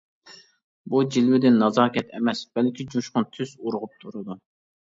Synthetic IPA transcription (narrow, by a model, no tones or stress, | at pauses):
bud͡ʒilwɪd̪ɪnːɑzɑːkʲʰɛt̪ʰɛmɛsb̥ɛlkʲʰid͡ʒuʃqʊnt̪ʰyzuɾʁʊp̚t̪ʰuɾɨd̪u